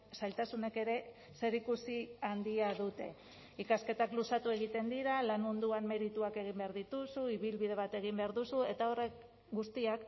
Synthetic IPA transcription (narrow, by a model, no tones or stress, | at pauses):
sajlt̪asune̞ke̞ɾe̞ | se̞ɾikusiand̪iaðut̪e̞̰ | ikaske̞t̪aklusat̪ue̞ɣ̞it̪e̞nd̪iɾalanmund̪uanme̞ɾit̪uake̞ɣ̞imbe̞aɾðit̪usuiβilβið̞e̞βat̪e̞ɣ̞imbe̞aɾðusue̞t̪ao̞re̞k | ɡust̪iak